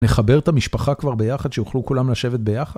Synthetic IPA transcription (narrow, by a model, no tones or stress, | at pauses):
neχabe̞ʁt̪amiʃpaχakvaʁbe̞jaχad̪ʃejuχlukulamlaʃe̞vet̪̚be̞jaχa